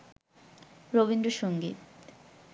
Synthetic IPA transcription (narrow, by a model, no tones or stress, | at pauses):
ɾoβind̪oʃoŋɡḭt̪